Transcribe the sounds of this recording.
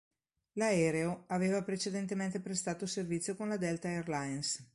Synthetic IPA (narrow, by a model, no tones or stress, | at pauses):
laɛːɾeoaveːvapɾet͡ʃed̪ent̪ement̪epɾest̪aːt̪oservit̪sːjokonlad̪ɛlt̪aerlains